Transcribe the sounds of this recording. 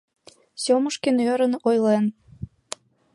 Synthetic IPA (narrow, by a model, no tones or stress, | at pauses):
soməʃkenøɾənojlen